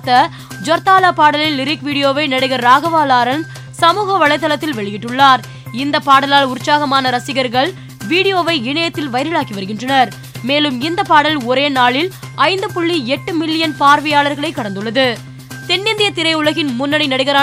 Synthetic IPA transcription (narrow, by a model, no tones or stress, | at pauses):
t̪ːɐ | d͡ʒɔɾt̪aːlaːpaːɽɐlɪnːɪɾɪkʋiːɽɪjoːʋɐɪnɐɽɪɣɐɾːaːɣɐʋaːlaːɾɐn | sɐmuːɣɐʋɐɭɐɪt̪ːɐlɐt̪ːɪlʋɛɭɪjɪʈːɯɭːaːɾ | ɪnd̪ɐpːaːɽɐlaːlʊɾt͡ʃːaːɣɐmaːnɐɾɐsɪɣɐɾɣɐɭ | ʋiːɽɪjoːʋɐɪɪɳɐjɐt̪ːɪlʋɐɪɾɪɭaːkːiʋɐɾɯɣɪndrɐnɐɾ | meːlɯmɪnd̪ɐpːaːɽɐlɔɾeːnaːɭɪlɐɪnd̪ɯpʊɭːiɛʈːɯmɪlːɪjɐnpaːɾʋɐjaːɭɐɾɣɐɭɐɪkːɐɽɐnd̪ɯɭːɐðɯ | t̪ɛnːɪnd̪ɪjɐt̪ɪɾɐɪʊɭɐɣɪnmʊnːɐɽɪnɐɽɪɣɐɾaː